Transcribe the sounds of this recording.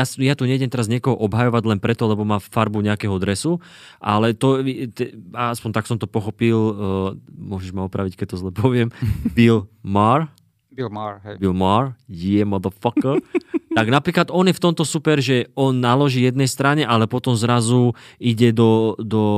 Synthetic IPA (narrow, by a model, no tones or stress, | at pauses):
jasjat̪uɲɛɟɛmt̪ɛɾazɲɪɛkɔɦɔʔɔbɦajɔʋaɟlɛnpɾɛt̪ɔlɛbɔmaːfaɾbuɲɛakɛɦɔd̪ɾɛsu | ʔa̰lɛt̪ɔt̪ɛaaspɔɲt̪aksɔmt̪ɔpɔxɔpil | mʊɔʒɛʒmaɔpɾaʋickɛc̚t̪ːɔzlɛpɔʋɪɛmbilmaɾ | bilbilmaɾjiɛmɔðəfɔkt̪aɡnapɾiːklad̪ɔnjɛft̪ɔmt̪ɔsupɛɾʒɛɔnːalɔʒiːjɛd̪nɛjst̪ɾaɲɛʔalɛpɔt̪ɔmzɾazuiɟɛd̪ɔd̪ɔ